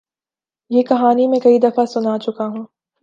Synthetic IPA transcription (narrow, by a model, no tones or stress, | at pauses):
jeːkɐɦaːnimẽkɐid̪ɐfasʊnat͡ʃʊkaɦũː